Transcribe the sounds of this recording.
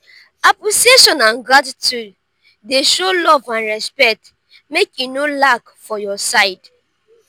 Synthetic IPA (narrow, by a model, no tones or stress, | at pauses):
apuseʃɔ̃nãnɡadtu | deʃolɔvãnɹɛspɛt | mekjunolak | fɔjɔsaɪd